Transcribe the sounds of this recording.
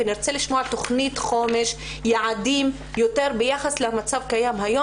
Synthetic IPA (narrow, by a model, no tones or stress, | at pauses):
ɪnɪɾt͡selɪʃmuːʕt̪oxniːt̪xoːmɪʃ | jaʕad̪iːm | jot̪eɾbɪjaxaslɪhamat͡sabkajaːmɦajoː